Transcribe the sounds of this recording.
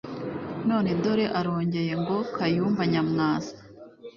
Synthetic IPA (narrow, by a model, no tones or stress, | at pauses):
no̞ːnedo̞ɾe̞ʔaɾo̞ːɲɟe̞je̞ŋɡo̞kʰajuːɱvaɲamŋaːzḁ